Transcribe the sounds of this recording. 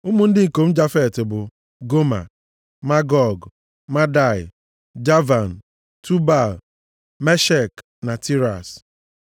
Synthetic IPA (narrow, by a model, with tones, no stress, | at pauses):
ʊ˦mʊ˦n̩˦dɪ˦˨ko˨m̩˦d͡ʒa˦fɛ˦˨tbʊ˨ | ɡo˦ma̰˨ | ma˦ɡɔ˨ɡ | ma˦da˦˨ɪ̰˨ | d͡ʒa˦va˨n̩˨ | tʰu˦ba˦˨l | me˦ʃɛ˦˨k | na˨ti˦ɾa˨s